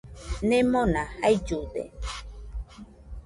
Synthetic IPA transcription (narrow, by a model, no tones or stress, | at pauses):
nemonahajd͡ʒud̪ḛ